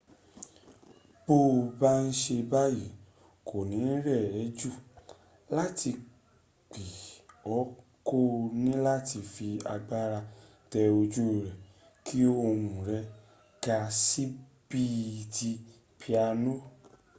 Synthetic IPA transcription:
b̥o˦˨ba˦n̩˦ʃe˧ba˦ji˨ | kʰo˨nĩ˨˦ɾɛ˦˨ɛ˨˦d͡ʒu˦˨ | la˦tʰi˧ | k͡pi˨ɔ˨˦ | ko˦nĩ˦la˦ti˧fi˧a˧ɡ͡ba˦ɾa˧ | tɛ˧o˧d͡ʒu˦˨ɾɛ˨ | kʰi˦o˦o˧hũ˨ɾɛ˧ | ɡa˧si˦ | bi˦˧˨ti˧ | pʰi˧a˧nõ˦

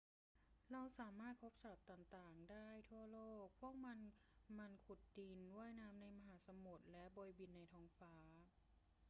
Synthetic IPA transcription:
ɾa˧wsaː˩˦maː˥˩t̪̚pʰo˦˥p̚sa˨˩t̪ːaː˨˩ŋt̪aː˨˩ŋdaː˥˩jt̪ʰu˥˩ɐloː˥˩k̚pʰu˥˩ək̚ma˧nma˧nkʰu˨˩t̪̚di˧nwu˥˩əjnaː˦˥mna˧jma˧ɦaː˩˦sa˧mu˨˩t̪̚lɛ˦˥ʔbo˧jbi˧nːa˧jt̪ʰɔː˧˥ŋfaː˦˥˦

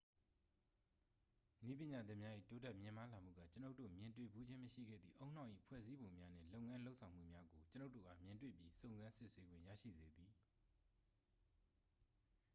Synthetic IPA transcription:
ni˦p̬jɪ̃˨ɲa˨d̪ɪ̃˦ʔmja˦ʔḭ˦˨to˦tɛ˦˨ʔmjɪ̃˨ma˦la˨m̥ṵ˦˨ɡa̰˦˨t͡ɕə˦no˦ʊtːo̰˦˨mjɪ̃˨ntwḛ˦˨bu˦d͡ʑɪ̃˦məʃḭ˦˨ɡɛ̰˦˨d̪ðḭ˦˨ʔo˦ʊ̃n̥ã˦˨ʔḭ˦˨pʰwɛ̰˦˨zi˦bõ˨ʊ̃mja˦n̥ɪ̰̃˦˨lo˦ʊ˨ʔŋã˦lo˦ʊʔsʰã˨ʊ̃m̥ṵ˦˨mja˦ɡo˨t͡ɕəno˦ʊtːo̰˦˨ɡa̰˦˨mjɪ̃˨ntwḛ˦˨pji˦sõ˨ʊ̃nzã˦nsɪ˦ʔse˦ɡwɪ̰̃˦˨ja̰˦˨ʃḭ˦˨ze˨d̪i˨

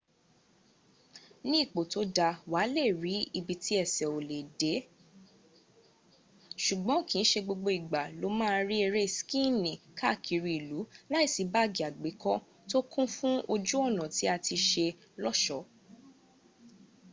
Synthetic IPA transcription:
nĩ˦i˦˨k͡po˨to˨˦da˧wa˨˦le˦˨ɾi˨˦i˧bi˧ti˦ɛ˦˨sɛ˨o˨le˨de˨˦ | ʃu˨ɡ͡bɔ̃˨˦˨kĩ˨n̩˦ʃe˧ɡ͡bo˧ɡ͡bo˧i˨ɡ͡ba˨lo˨˦mãː˦˧˦ɾi˦e˧ɾe˦˨skĩ˦˨nĩ˨ka˦˨kʰi˨˧ɾi˧˨i˨lu˨˦la˦i˦˨si˨˦ba˦ɡi˨a˨ɡ͡be˨˦kɔ˦ | to˦kũ˦fũ˦o˧d͡ʒu˦ɔ˦˨nã˨ti˨˦a˧ti˧ʃe˧ | lɔ˦ʃɔ˨˦

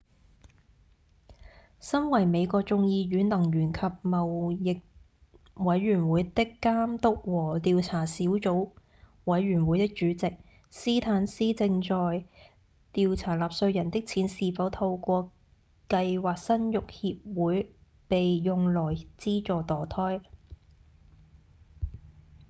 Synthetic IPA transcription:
sɐ˥nwɐ˨˩jme˨˧jkɔː˧k̚t͡sʊ˧ŋjiː˧jyː˨˥nlɐ˨˩ŋɥyː˨˩nkʰɐ˨p̚mɐ˨˩wjɪ˨k̚ | wɐ˨˥jɥyː˨˩nwuː˨˥jt̪ɪ˥kːaː˥mt̪ʊ˥k̚wɔː˨˩t̪iː˨˧wt͡sʰaː˨˩siː˨˥wt͡so˨˥w | wɐ˨˧˥jɥyː˨˩nwuː˨˥jt̪ɪ˥k̚t͡ʃyː˨˧˥t͡sɪ˨k̚ | siː˥t̪ʰaː˨˥nsiː˥t͡sɪ˧ŋt͡ʃɔː˨j | t̪iː˨wt͡sʰaː˨˩laː˨p̚sɵ˧ɥjɐ˨˩nt̪ɪ˥k̚t͡sʰiː˨˥nsiː˨fɐ˨˥wt̪ʰɐ˧wkʷɔː˧ | kɐ˧jwaː˨˩k̚sɐ˥njʊ˨k̚hiː˧p̚wuː˨˥j | pe˨jjʊ˨ŋlɔː˨˩jt͡siː˥t͡ʃɔː˨t̪ɔː˨˩t̪ʰɔː˥j

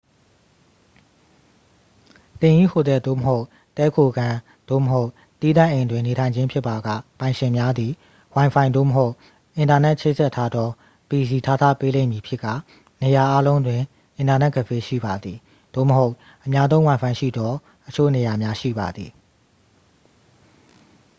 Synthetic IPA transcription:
t̪ɪ̃˨ʔḭ˦˨ho˨d̪ɛ˨d̪o̰˦˨məɦo˦ʊ | t̪ɛ˦kʰo˨ɡã˨ | d̪̥o̰˦˨məɦo˦ʊ | t̪i˦d̪ã˦˨ʔẽ˨ndwɪ̃˨ne˨tʰã˨ɪ̃ɲd͡ʑɪ̃˦mpʰjɪ˦pːa˨ɡa̰˦˨pã˨ɪ̃ʃɪ̃˨mja˦d̪i˨ | wã˨ɪ̃pʰã˨ɪ̃nd̪o̰˦˨məɦo˦ʊʔ | ʔɪ̃˨nta˨nɛ˦ʔt͡ɕʰe˦˨z̥ɛ˦tʰːa˦d̪ɔ˦ | pi˨zi˨tʰa˦˨t̪ʰä̰˦˨pe˦lḛ̃˦˨mji˨pʰjɪ˦ʔkːä̰˦˨ | ne˨ja˨ʔa˦lõ˦ʊ̃ndwɪ̃˨ | ʔɪ̃˨nta˨nɛ˦ʔɡə˦˨pʰe˦ʃḭ˦˨ba˨d̪ði˨ | d̥̪o̰˦˨məɦo˦ʊʔ | ʔəmja˦zõ˦ʊ̃wã˨ɪ̃fʰã˨ɪ̃ʃḭ˦˨d̪ɔ˦ | ʔət͡ɕʰo̰˦˨ne˨ja˨mja˦ʃḭ˦˨ba̰˨d̪ði˨

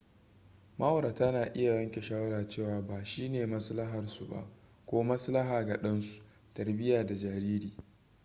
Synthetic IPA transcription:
ma˦wo˨ɾa˨ta˦naː˨ʔɪ˦ja˨jɐ˦ŋkʲe˨ʃaː˦wɐ˦ɾaː˨t͡ʃeː˦˨waː˨baː˨ʃiː˦neː˨mɐ˦slɐ˦ɦɐ˨rsu˦ba̰˦˨ʔkʷoː˦mɐ˦slɐ˦ɦaː˨ɡa˨ɗɐ˦nsu̥˨ | tɐ˨rbɪ˦jaː˨da˨d͡ʒaː˨ɾiː˦ɾiː˨

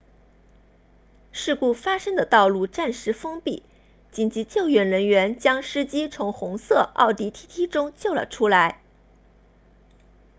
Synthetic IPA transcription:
ʂɻ̩˥˧ku˥˩fa˥ʂɤ˥ŋd̪ə˨t̪ɑ˥˧ʊlu˥˧ʈ͡ʂa˥˩nʂɻ̩˧˥fɤ˥ŋpi˥˩ | t͡ɕi˧˥nt͡ɕi˧˥t͡ɕjo˥˩ʊɥɛ˧˥nɻə˧˥nɥɛ˧˥nt͡ɕjɑ˥ŋʂɻ̩˥t͡ɕi˥t͡sʰʊ˧˥ŋxʊ˧˥ŋsɤ˥˧ɑ̰˥˩ʊt̪i˧˥t̪ʰi˥t̪ʰi˥ʈ͡ʂʊ˥ŋt͡ɕjo˥˩ʊlə̰˩ʈ͡ʂʰu˥la˧˥ɪ

